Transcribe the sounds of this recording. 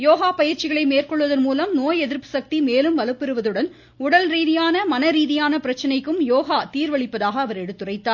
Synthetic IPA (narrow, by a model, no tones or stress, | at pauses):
joːɣaːpɐjɪɾt͡ʃɪɣɐɭɐɪmeːrkɔɭːʋɐðɐnmuːlɐmnoːjɛðɪɾpɯsɐk̚t̪imeːlɯmʋɐlɯpːɪɾɯʋɐðɯɽɐn | ʊɽɐlɾiːðɪjaːnɐmɐnɐɾiːðɪjaːnɐpɪɾɐt͡ʃːɐnɐɪkːɯmjoːɣaːt̪iːɾʋɐɭɪpːɐðaːɣɐːʋɐɾɛɽɯt̪ːɯrɐɪt̪ːaːɾ